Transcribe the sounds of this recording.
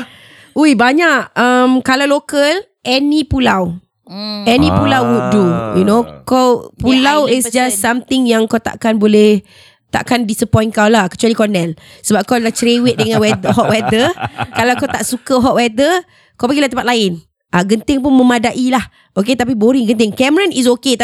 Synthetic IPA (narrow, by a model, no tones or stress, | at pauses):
ujbaɲaʔəmkalawlokəl | ʔɛnipulaw | ɛnipulawwud̚dujunokawpulawɪsd͡ʒasːamt̪ɪŋjaŋkawt̪a̰ʔkanbolɛh | t̪a̰ʔkandisəpɔ̃jnkawlahkə̥t͡ʃualikɔnɛlsəbap̚kawlaht͡ʃɾewɪt̪̚dəŋãnwɛd̪əɦɔʔ̚wɛd̪əkalawkawt̪aʔsukəɦɔʔ̚wɛd̪ə | kawpaɡilaht̪əmpat̪̚laɪn | ʔaɡənt̪ɪŋp̬ʊnməmadaʔilah | ʔok̬et̪ap̬iboɾɪŋɡənt̪ɪŋkɛməɹanis̬oket̪